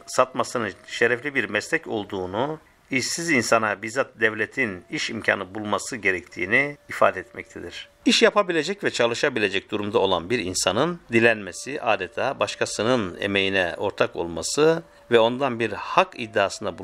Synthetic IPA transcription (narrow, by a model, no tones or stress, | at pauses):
sat̪masɯnɯʃeɾɛflʲibiɾmɛslʲɛco̞̰lˠd̪uːnu | iʃsizinsanabizat̪d̪ɛvlʲet̪ʰiniʃimcʰa̰ːnɯbulˠmasɯɟe̞ɾɛct̪ʰḭːniːfaːd̪ɛɛt̪mɛc̚t̪ʰed̪iɾ̥ | iʃjapʰabilʲe̞d͡ʒɛcvɛt͡ʃʰalˠɯʃabilʲe̞d͡ʒɛc̚d̪uɾumd̪ao̞lˠa̰nbiɾinsanɯnd̪ilʲænmesiʔaːd̪et̪ʰaːbaʃkʰasɯnɯnḛme̞jinɛ̰ʔo̞ɾt̪ʰako̞̰lˠmasɯ | vɛo̞nd̪anbiɾhakḭd̪ːaːsɯnd̪abu